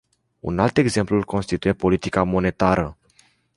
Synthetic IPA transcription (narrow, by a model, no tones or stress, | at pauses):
ṵnalt̪e̞ɡze̞mplulko̞nst̪it̪uje̞po̞lit̪ikamo̞ne̞t̪aɾə